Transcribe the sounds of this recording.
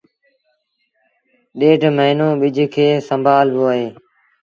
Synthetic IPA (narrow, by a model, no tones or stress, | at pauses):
ɗeːʈməɦɪnõːɓɪd͡ʒʱkʰeːsəmbʱaːlboːɦeː